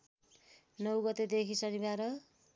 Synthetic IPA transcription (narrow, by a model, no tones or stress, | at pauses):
nʌwɡʌt̪ed̪ekʰisʌnibaɾʌ